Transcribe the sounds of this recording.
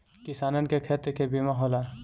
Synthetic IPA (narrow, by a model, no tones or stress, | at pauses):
kɪsaːnənkekʰeːt̪əkebimaɦola